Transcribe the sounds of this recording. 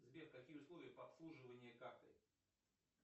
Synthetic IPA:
zbʲefkɐkʲijəʊslˠovʲɪjəpəɐpslˠuʐɨvənʲɪjəkart̪ɨ̰

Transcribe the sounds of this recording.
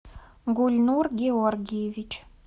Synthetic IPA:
ɡulʲnurɡʲeɔrɡʲijvʲit͡ʃ

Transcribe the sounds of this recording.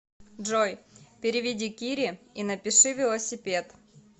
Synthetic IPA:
ʐojpʲɪɾʲɪvʲɪdʲikʲiɾʲɪinɐpʲɪʂɨvʲɪlˠəsʲɪpʲe̞t̪

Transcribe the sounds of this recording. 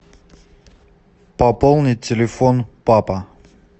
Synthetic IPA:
pɐpolˠnʲɪtʲɪlʲɪfonpapə

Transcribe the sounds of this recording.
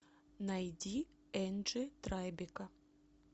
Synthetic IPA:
nɐjdʲi | ɛnʐɨt̪ɾajbʲɪkɐ

